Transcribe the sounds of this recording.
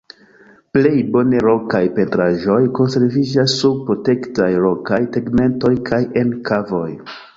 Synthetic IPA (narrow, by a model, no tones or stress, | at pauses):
ple̞jbo̞ne̞ɾo̞kajpe̞ntɾaʒo̞jko̞nse̞ɾvid͡ʒasːub̚pɾo̞te̞ktajɾo̞kajteɡme̞nto̞jkʰaje̞nkʰavo̞j